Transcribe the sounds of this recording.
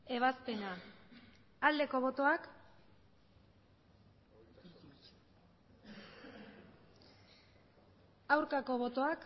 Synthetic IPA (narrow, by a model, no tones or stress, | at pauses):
e̞β̞aspe̞na | ald̪e̞ko̞β̞o̞t̪o̞ak | awɾkako̞β̞o̞t̪o̞ak